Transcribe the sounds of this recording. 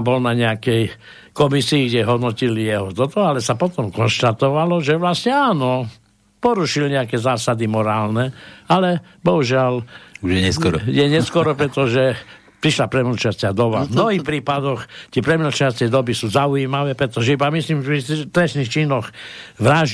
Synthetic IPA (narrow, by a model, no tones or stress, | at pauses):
bɔlnaɲɛakɛj | kɔmisiːɡɟɛɦɔd̪nɔcilijɛɦɔt̪ɔt̪ɔalɛsapɔt̪ɔmkɔnʃt̪at̪ɔʋalɔʒɛʋlasɲɛaːnɔ | pɔɾuʃilɲɛakɛzaːsad̪imɔɾaːlnɛalɛbɔɦuʒɪalɛsɔɾjɛɲɛskɔɾɔpɾɛt̪ɔʒɛ | pɾiʃlapɾɛmilt͡ʃastɪad̪ɔʋa̰mnɔɦiːxpɾiːpad̪ɔxt̪ɪɛpɾɛmilt͡ʃast͡sɪɛjd̪ɔbisuːzauimaʋɛːpɾɛt̪ɔʒɛibamisliːmʒɛit̪ɾɛsnixt͡ʃiːnɔxʋɾaʒ